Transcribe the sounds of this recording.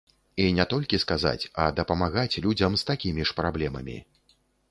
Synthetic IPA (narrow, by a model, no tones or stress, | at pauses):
inʲɛt̪ɔlʲkʲiskaza̰t͡sʲɐd̪ɐpɐmaɣat͡sʲlʲud͡zʲɐmst̪akʲimʲiʂpɾablʲɛmɐ̰mʲḭ